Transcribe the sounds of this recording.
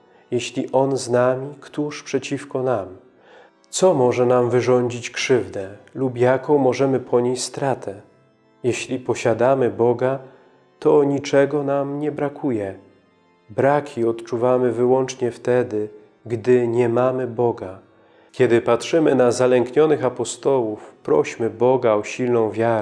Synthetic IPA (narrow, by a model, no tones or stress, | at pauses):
jeɕlʲiʔɔnznamʲikt̪uʂpʂɛt͡ɕifkɔnam | t̪sɔmɔʐɛnamvɘʐɔɲd͡ʑit͡ɕkʂɘvd̪ɛlupjakɔ̃w̃mɔʐɛmɘpʰɔɲeɕst̪ɾat̪ʰɛ | jeɕlʲipɔɕad̪amɘbɔɡa | t̪ɔɲit͡ʂɛɡɔnamɲɛbɾakʰujɛ | bɾakʲʰiɔt̪t͡ʂuvamɘvɘwɔnt͡ʂɲɛft̪ɛd̪ɘ | ɡd̪ɘɲɛmamɘbɔɡa | kʲɛd̪ɘpatʂɘmɘnazalɛŋkɲɔnɘxapɔst̪ɔwufpɾɔ̰ɕmɘbɔɡaɔɕilnɔ̃w̃vʲjaɾ